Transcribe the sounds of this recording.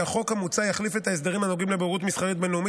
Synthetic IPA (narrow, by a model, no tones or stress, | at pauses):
aχo̞khamut͡sajaχlifet̪aes̬d̪aʁimhanoɡimlebeʁut̪misχaʁit̪̚benumi